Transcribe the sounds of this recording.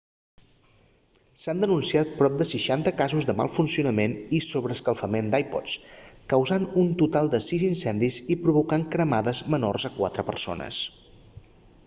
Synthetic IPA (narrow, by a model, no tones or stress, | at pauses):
sand̪ənunsiat̪̚pɾɔp̚d̪əsəʃant̪əkazuzðəma̰lˠfunsiunəmenisoβɾəskəlˠfəmend̪ajpɔ̰skəwzanunt̪ut̪alˠd̪əsizinsɛnd̪izipɾuβukaŋkɾəmaðəzməno̰rzəkwa̰t̪ɾəpə̰rso̰nə̰s